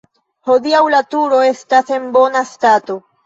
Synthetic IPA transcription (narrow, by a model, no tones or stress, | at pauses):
ho̞diawlatuɾo̞e̞stase̞nbo̞nastato̞